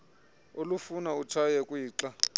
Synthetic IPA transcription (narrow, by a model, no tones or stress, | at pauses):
olufunaut͡ʃʰajɛkʼwiːǁa